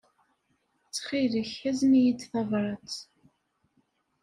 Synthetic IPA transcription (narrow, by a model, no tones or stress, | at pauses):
t͡sːχiɾəçæznijid̪θɑvɾˤɑt͡s